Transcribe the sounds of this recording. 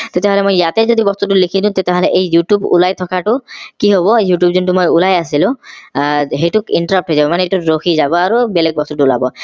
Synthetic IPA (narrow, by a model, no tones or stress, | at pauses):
t̪et̪ɛɦɔlɛmojːat̪ezod̪ibɔst̪ut̬ulikʰid̪ũt̪et̪eɦɔlɛʔejːuʈjubṵlajt̪ʰɔkʰaʈʊkiɦoβɔjuʈjubzuntumojulajas̬ilʊ̃ | ɦejtʊkinʈɔɾap̚ʈʰɦojzabɔmanɛejtʊɹoxʰizabɔaɹubelɛɡ̚bɔst̪utula̰bɔ